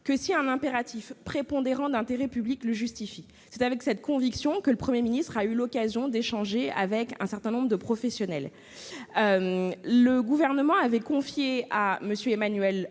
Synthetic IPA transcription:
kəsiɛ̃nɛ̃peʁat̪ifpχepɔ̃d̪eʁɑ̃d̪ɛ̃t̪eʁɛpyblikləʒyst̪ifi | sɛt̪avɛksɛt̪̚kɔ̃viksjɔ̃kələpχəmjeminist̪χaylɔkazjɔ̃d̪eʃɑ̃ʒea̰vɛkɛ̰̃sɛʁt̪ɛ̃nɔ̃bʁəd̪əpχɔfɛsjɔnɛl | ømləɡuvɛʁnəmɑ̃avɛkɔ̃fjeaməsjøemanɥɛl

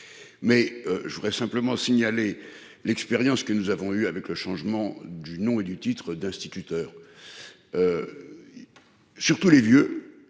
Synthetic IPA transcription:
mɛøʒəvud̪ʁɛsɛ̃pləmɑ̃siɲale | lɛkspeʁjɑ̃skənuzavɔ̃yavɛkləʃɑ̃ʒmɑ̃d̪ynɔ̃ed̪yt̪it̪χəd̪ɛ̃st̪it̪yt̪œːʁ | ø | syʁt̪ulevjø

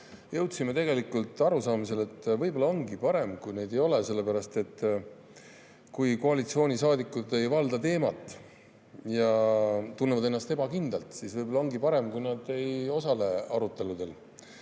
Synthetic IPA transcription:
jɤ̞wt̪simet̪e̞ɡe̞likult̪ˑɑɾusɑːmis̬e̞le̞t̪ːvɤjbo̞lːɑo̞ŋɡipɑɾe̞mkujne̞jd̪ejo̞le̞se̞lːe̞pæɾɑst̪e̞t̪ː | kujko̞ɑlit̪sio̞ːnʲisɑːd̪ikːˑud̪e̞jvɑld̪ɑt̪e̞ːmɑt̪ːˑ | jɑt̪unːevɑd̪enːɑst̪e̞bɑkind̪̥ɑlt̪sisvɤjbolɑo̞ŋɡipɑɾe̞mkujnɑd̪e̞jo̞sɑle̞ɑɾut̪ːˑe̞lud̪̥e̞l

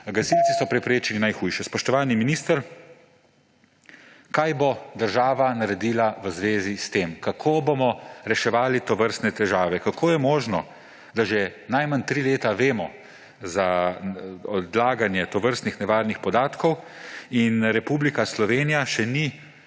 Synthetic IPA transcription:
ɡasiltt͡s̪isɔpɾɛpɾeːt͡ʃilinajxuːjʃɛspɔʃt̪ɔʋaːlniminist̪əɾ | kajbod̪əɾʒaːʋanaɾɛd̪iːlaʋəzʋeːzist̪eːmkakʰoːbomɔɾɛʃɛʋaːlit̪ɔʋəɾst̪nɛt̪ɛʒaːʋɛkakʰoːjɛmoːʒnɔ | d̪aʒɛnajmant̪ɾiːleːt̪aʋeːmɔ | za | ɔd̪laːɡanjɛt̪ɔʋəɾst̪nixnɛʋaːɾnixpɔd̪aːt̪kɔw | inɾɛpublikaslɔʋeːnijaʃɛni

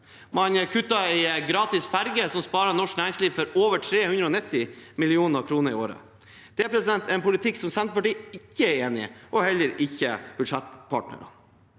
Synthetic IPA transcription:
mɑnəkʰʉt̪ːɑɛɪɡɾɑːt̪ɪsfæɾɡəsɔmspɑːɾɑnɔʂknæːɾɪŋsliːʋfɔɾoːʋəʈʰɾeːhʉnɾəɔːnɪt̪ːɪmɪlɪuːnəɑkʰɾuːnəɾɪ̰oːɾə̰ | d̪̥ɛæpʰɾɛsɪd̪ɛnt̪eːnpʊlɪt̪ʰɪkːsɔmsɛnt̪əpɑʈiːɪçːəɛeːnɪ̰ʔɔhɛlːəɾɪçːə̰b̥ʉd̪ʂɛt̪ːpʰɑ̰ːʈɳə̰ɾɑ̰n

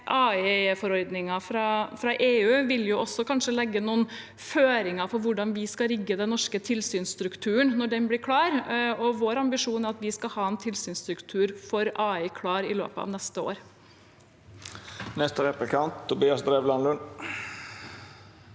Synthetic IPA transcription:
ʔɑːifɔɾɔɾd̪nɪŋɑfɾɑfɾɑʔeːʉːʋɪljʊʔɔsːɔkʰɑnʂəlɛɡːənuːən | føːɾɪŋɑfɔɾʋʊɖɑnʋɪskɑɾɪɡːəd̪ɛnnɔʂkət̪ʰɪlsyːnsst̪ɾʉkt̪ʰʉːəɳnɔɖɛnblɪɾkʰɽɑːɾɔʋoːɾɑmbɪʂuːnæɾɑt̪ʋɪskɑhɑːɛnt̪ʰɪlsyːnst̪ɾʉkt̪ʰʉːɾfɔɾɑːikʰɽɑːɾɪlø̰ːpəɑ̰ʋnɛst̪əo̰ːɾ | nɛst̪əɾɛplɪkʰɑnt̪t̪ʰːʊbiːɑsd̪ɾeːʋlɑnlʉn

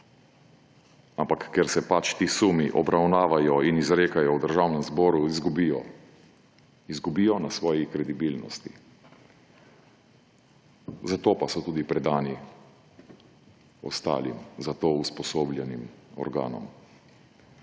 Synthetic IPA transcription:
ampakːɛɾsɛpat͡ʃt̪iːsumiʔɔbɾawnaːʋajɔinizɾeːkajɔwd̪əɾʒawnɛmzbɔːɾuizɡubijɔ | izɡubijɔnasʋɔːjikɾɛd̪ibilnɔst̪ḭ | zat̪oːpasɔt̪uːd̪ipɾɛd̪aːni | ɔ̰st̪a̰ːlimzat̪oːuspɔsoːblʲjɛnimɔ̰ɾɡa̰ːnɔ̰m

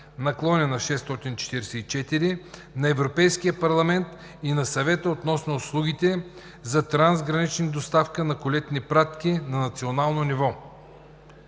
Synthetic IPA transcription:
nɐklˠɔnɛnɐʃɛst̪ɔt̪int͡ʃɛ̥t̪iɾɛsɛit͡ʃɛt̪iɾinɐɛvɾopɛjsk̟ijəpɐɾlˠɐmɛnt̪ | inɐsɐvɛt̪əot̪nɔsnoːslˠuɡ̟it̪ɛ | zɐt̪ɾanzɡɾɐnit͡ʃnid̪ost̪afkənɐkʊlɛt̪nipɾat̪kinɐnɐt̪sionalˠnonivɔ

